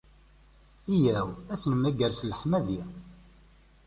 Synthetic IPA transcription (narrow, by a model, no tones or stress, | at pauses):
ijæwæθnmæɡəɾsləħmæði